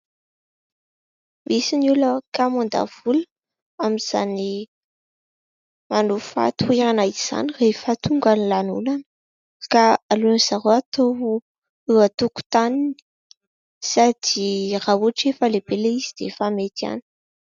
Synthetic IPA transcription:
misinuləkamund̪a̰v̥ulə | amiz̥a̰ni | manufa̰t̪ueɾanaiz̥a̰nirefət̪uŋɡanilanulanə | kaaluniz̥aɾoat̪o | ewat̪uku̥t̪anini̥ | sad̪̥irauaʈ͡ʂefəleb̥eleiz̥id̪̥efamet̪ia̰nə̥

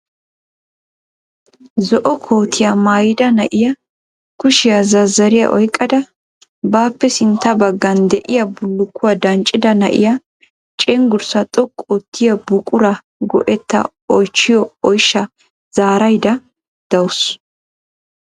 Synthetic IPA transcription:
zɔʔɔkʰoːt̪ʰɪjɐmaːjɪd̪ɐnɐʔɪjɐ | kʊʃɪjɐzɐzːɐɾɪjɐ̰ʔɔjkʼːɐd̪ɐ | baːpːɛsɪnt̪ːɐbɐɡːɐnd̪ɛʔɪjɐbʊlːʊkːʊwɐd̪ɐnt͡ʃʼːɪd̪ɐnɐ̰ʔɪ̰jɐ | t͡ʃʼɛŋɡʊɾsɐt̪ʼɔkʼːɔt̪ːɪjɐbʊkʼʊɾɐ | ɡɔ̰ʔɛt̪ːɐ̰ | ɔjt͡ʃːɪjɔɔjʃːɐ | z̥aːɾɐjd̪ɐ | d̪̥ɐwʊs

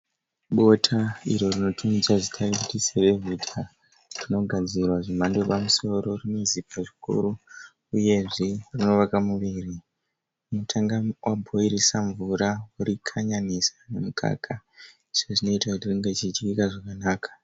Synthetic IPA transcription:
ɓo̞tʰaḭɾo̞rino̞tʰumizaʐitʰarikutiseʋe̞vitʰa | rino̞ɡʱad͡zirwaʐimando̞pamuso̞ɾo̞rino̞zipʰaʐikṵɾu | uje̞ʐirino̞ʋakamuʋiri | unotʰaŋɡawʔabʱoirisaɱvuɾawuɾikʰaɲanisḁne̞mukʰa̰kʰa | iʐeʐino̞itakutiriŋɡet͡ʃit͡ʃikaʐakanaːkḁ

